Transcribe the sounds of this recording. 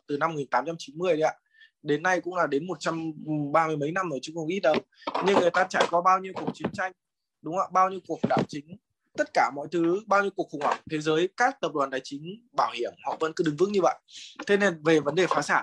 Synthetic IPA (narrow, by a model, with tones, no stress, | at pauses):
t̪ɨ˨˩na˧m˨˩ŋi˨˩nt̪aː˨˦mt͡ɕa˧mt͡ɕi˨˦nmɨ˧əja̰˧˩ | ɗe˨˦nːa˧jkʊ̰˧˥ŋ͡mlaː˨˩ɗe˨˦nmo˨˩t̚t͡ɕa˧mɓaː˧mɨ˧əjmə˨˦jna˧mno˧˩jt͡ɕʊ˨˦ŋ͡mxə˧wŋ͡mʔi˦˥t̚ɗə˨˩w | ɲɨ˧ŋːɨ˨˩əjt̪aː˧t͡ɕaː˧˩jkɔ˧˦ɓaː˧wɲi˧əwku˨˩ək̚t͡ɕi˨˦ənt͡ɕa˧jŋ̟ | ɗʊ˨˦ŋ͡mə̰˧˩ɓaː˧wɲi˧əwku˨˩ək̚ɗa̰ː˧˩wt͡ɕï˨˦ŋ̟ | t̪ə˦˥t̚kaː˧˩mɔ̰˧˨jt̪ʰɨ˨˦ɓaː˧wɲi˧əkəkxʊ˧˩wŋhwaː˧˩ŋt̪ʰe˨˦zəː˨˦jkaː˦˥k̚t̪ə˨˩p̚ɗwaː˨˩nt̪aː˨˩jt͡ɕï˨˦ŋ̟ɓaː˧˩whi˧˩əmhɔ̰˧˨və̰˧˥nkɗɨ˨˧˦ŋvɨ˦˥kɲɨ˧və̰˧˨jʔt̪ʰe˨˧˦ne˧˩nve˨˩və˨˦nɗe˨˩faː˨˦saː˧˩n